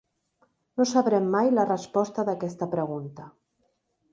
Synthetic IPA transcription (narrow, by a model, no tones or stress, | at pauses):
nosaβɾɛmːajlərəspɔst̪əðəkɛst̪əpɾəɣ̞unt̪ə